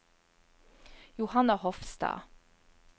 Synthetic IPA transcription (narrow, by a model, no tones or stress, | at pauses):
jʊhɑnɑhɔfst̪ɑ̰ː